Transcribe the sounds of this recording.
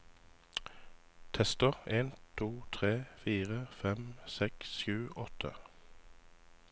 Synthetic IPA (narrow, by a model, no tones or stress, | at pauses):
t̪ʰɛst̪əʁeːnt̪ʰuːt̪ʰʁeːfiːʁəfɛmsɛksʃʉːʔɔt̪ʰə̰